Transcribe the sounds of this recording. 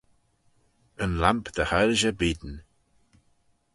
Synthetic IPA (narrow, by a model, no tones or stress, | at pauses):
ənlampd̪̥əhaɾʒəbiːd̪ən